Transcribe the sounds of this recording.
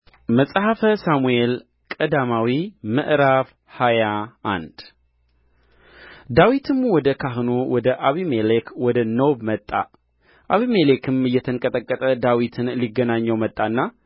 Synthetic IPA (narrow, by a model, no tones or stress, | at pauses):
məsʼhafəsamujel | kʼəd̪amawimɨ̰ʔɾaβ | hajaʔa̰nd̪̥ | d̪awit̪ʰɨmwɔd̪əkʰaɦnowɔd̪əʔaβimelekwɔd̪ənowbmət̪ʼːa̰ | ʔaβimelekʰɨmɨjːɛt̪ʰəŋkʼət̪ʼəkʼːət̪ʼəd̪awit̪ʰɨnliɡːənaɲːəwmət̪ʼːanːa